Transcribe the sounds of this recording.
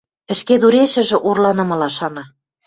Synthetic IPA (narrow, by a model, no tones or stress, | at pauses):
ɘ̆ʃked̪uɾeʃɘ̆ʒɘ̆ʔurlɑnɤ̆mɤ̆lɑʃɑnɑ